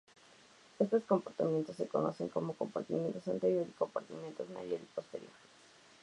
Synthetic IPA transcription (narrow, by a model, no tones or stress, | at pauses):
est̪o̞skompoɾt̪amjent̪o̞sːe̞ko̞̰no̞̰se̞ŋko̞moko̞mpa̰ɾt̪imjent̪osant̪eɾjo̞ɾiko̞mpaɾt̪imjent̪ozma̰ðjoɾipo̞st̪e̞ɾjo̞̰ɾs